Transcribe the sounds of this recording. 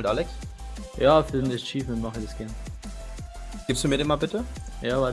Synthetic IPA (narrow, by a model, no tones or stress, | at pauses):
ltʔalɛks | jaːfɪndɛst͡ʃiːfʊnmaχədɛsɡ̥ɛɐn | ɡ̥ɪːfsd̥uːmiːɾɛnmaːlbɪtəjaːva